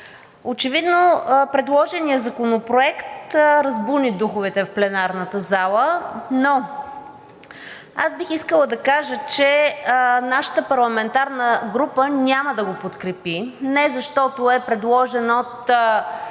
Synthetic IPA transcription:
ot͡ʃɛvid̪nopɾɛd̪lˠɔʒɛnijəzɐkonopɾoɛkt̪ɾɐzbunid̪uxʊvɛt̪ɛfplɛnaɾnət̪əzalˠəno | azbixiskəlˠəd̪ɐkaʒət͡ʃɛ | naʃə̥t̪əpɐɾlˠɐmɛnt̪aɾnəɡɾupənʲaməd̪ɐɡopot̪kɾɛpinɛzɐʃt̪ɔt̪oɛpɾɛd̪lˠɔʒɛnot̪

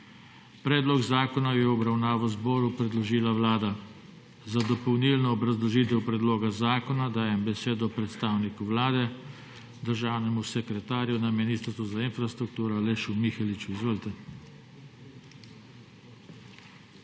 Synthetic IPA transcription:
pɾɛːd̪lɔɡzaːkɔnajɛɔbɾawnaːʋɔzbɔːɾupɾɛd̪lɔʒiːlaʋlaːd̪a | zad̪ɔpɔwnilnɔːbɾazlɔʒiːt̪ɛwpɾɛd̪loːɡazaːkɔnad̪aːjɛmbɛseːd̪ɔpɾɛt̪st̪aːwnikuʋlaːd̪ɛ | d̪əɾʒaːwnɛmusɛkɾɛt̪aːɾjunaminiːst̪ɾsuzainfɾast̪ɾuk̚t̪uːɾɔleʃumixɛlit͡ʃuizʋoːlt̪ɛ

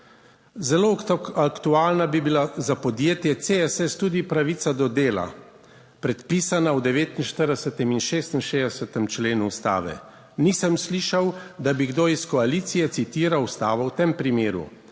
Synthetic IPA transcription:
zɛloakt̪uaːlnabibilazapɔd̪jeːt̪jɛt̪seɛsɛst̪ud̪ipɾaʋit̪sad̪ɔd̪eːla̰ | pɾɛt̪pisanawd̪ɛʋeːt̪inʃt̪əɾd̪ɛsət̪ɛminʃeːst̪inʃeːd̪ɛsət̪ɛmt͡ʃleːnuust̪a̰ːʋɛ̰ | niːsəmsliːʃawd̪abiɡd̪oiskɔaliːt̪sijɛt̪sit̪iːɾawst̪aːʋɔwt̪empɾimeːɾṵ

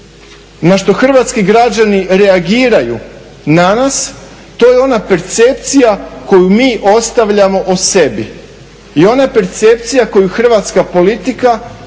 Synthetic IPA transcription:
naʃt̪o̞xr̩ʋat̪skiɡɾad͡ʑaniɾe̞aɡiːɾajṵ | nanas | t̪o̞ːjeo̞nape̞ɾt̪se̞pt̪sijako̞jumiːʔo̞st̪aʋʎamo̞ʔose̞bi | io̞nape̞ɾt̪se̞p̚t̪sijako̞juxr̩ʋat̪skapo̞lit̪ika

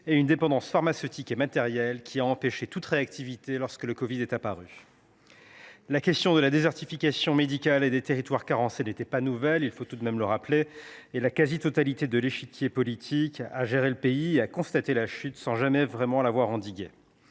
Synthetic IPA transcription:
eynd̪epɑ̃d̪ɑ̃sfaʁmasøt̪ʰikemat̪ɛʁjɛlkʲʰiaɑ̃peʃet̪ut̪ʁeak̚t̪ivit̪elɔʁskələkɔvid̪ɛt̪apaʁy | lakʲɛst̪jɔ̃d̪əlad̪ezɛʁt̪ifikasjɔ̃med̪ikʲaled̪et̪eʁit̪waʁkaʁɑ̃senet̪ɛpanuvɛlilfot̪ud̪mɛmləʁapleːlakazit̪ɔt̪alit̪ed̪əleʃikʲjepɔlit̪ʰikaʒeʁeləpeieakɔ̃st̪at̪elaʃyt̪sɑ̃ʒamɛvʁɛmɑ̃lavwaʁɑ̃d̪iɡʲe

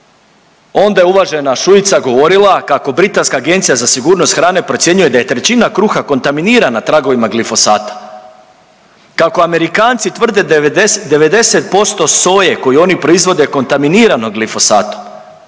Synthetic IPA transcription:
o̞nd̪ajeuʋaʒe̞naʃuit̪saɡo̞ʋo̞ɾilˠakako̞bɾit̪anskaːɡe̞nt̪sijazasiɡuːɾnost̪xɾaːne̞pɾo̞t̪sʲje̞ɲuje̞d̪aje̞t̪ɾe̞t͡ɕinakɾuxako̞nt̪aminiːɾanat̪ɾaɡo̞ʋimaɡlifo̞saːt̪ḁ | kako̞ame̞ɾikaːnt̪sit̪ʋr̩d̪e̞d̪e̞ʋe̞d̪e̞se̞t̪̚po̞st̪o̞so̞ːje̞ko̞jio̞nipɾo̞izʋo̞d̪e̞ko̞nt̪aminiːɾano̞ɡlifo̞saːt̪om

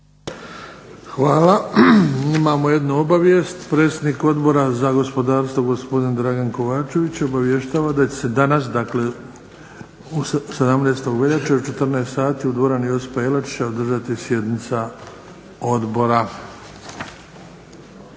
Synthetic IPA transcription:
xʋaːla | imaːmo̞je̞d̪nuobaʋje̞st̪pɾe̞ːt̪sʲed̪niko̞d̪bo̞ɾazaɡo̞spo̞d̪aːɾst̪ʋo̞ɡo̞spo̞d̪ind̪ɾaɡanko̞ʋaːt͡ʃe̞ʋit͡ɕo̞baʋjeʃt̪aːʋad̪at͡ɕe̥se̞d̪anas̬d̪akle̞ | used̪amneːst̪o̞ɡʋeʎat͡ʃeot͡ʃe̞t̪r̩neːst̪saːt̪iːud̪ʋoɾanjosi̥paelat͡ʃi̥t͡ɕaod̪r̩ʒat̪isje̞d̪nit̪sa | o̞d̪bo̞ɾa

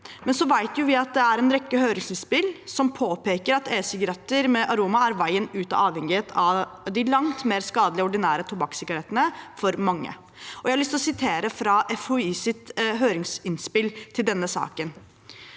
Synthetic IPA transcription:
mɛnsɔʋæɪt̪jʊʋɪɑt̪̚d̪ɛæɾɛnɾɛkːəhøːɾɪŋsɪnspɪlsɔmpʰoːpeːkəɾɑt̪eːsɪɡɑɾɑt̪ːəɾmɛʔɑɾuːmɑæɾʋæɪənʉːt̪ɑ̰ʔɑːʋhɛŋɪeːt̪ʰɑd̪ɪlɑŋt̪meːɾskɑːd̪lɪəɔɖɪnæːɾət̪ʰʊbɑksɪɡɑɾɛt̪ːənəfɔɾmɑŋːə̰ | ʔɔjæɪhɑɭʏst̪lɔsɪt̪ʰeːɾəfɾɑʔɛfuiːsɪt̪ɦøːɾɪŋsɪnspɪlt̪ʰɪld̪ɛnːəsɑ̰ːkən

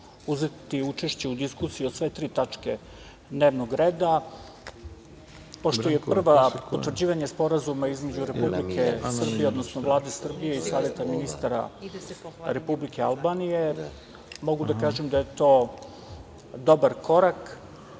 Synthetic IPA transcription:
uze̞t̪iut͡ʃe̞ʃt͡ɕe̞ud̪iskusijiosʋe̞t̪ɾiːt̪at͡ʂke̞ | d̪ne̞ːʋnoɡɾeːd̪a | po̞ʃt̪oje̞pr̩ʋappot̪ʋr̩d͡ʑiːʋaɲespo̞ɾazumaizme̞d͡ʑuɾe̞publikʰe̞sr̩bijeo̞d̪nosnovlˠaːd̪e̞sr̩bijeisaːʋje̞t̪aminist̪aɾa̰ | ɾe̞publike̞a̰lˠbanije̞ | mo̞ɡud̪akaːʒemd̪aje̞t̪oː | d̪o̞baɾko̞ɾak

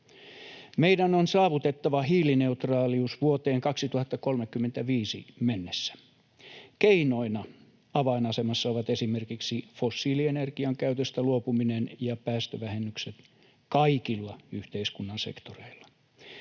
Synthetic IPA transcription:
meidænonsɑːʋut̪et̪ːɑʋɑɦiːline̞ut̪rɑːliusʋuot̪eːŋkɑksit̪uhɑt̪ːɑkolmekːymːent̪æʋiːsḭmenːesːæ̥ | keino̞inɑ | ɑʋɑinɑsemɑsːɑoʋɑt̪esimerkiksifosːiːlienerɡ̥iɑŋkæyt̪øst̪æluopuminenjɑpæːst̪øʋæhenːykset̪ | kɑikilːɑyht̪eiskunːɑnse̞̰kt̪oreilːɑ̥

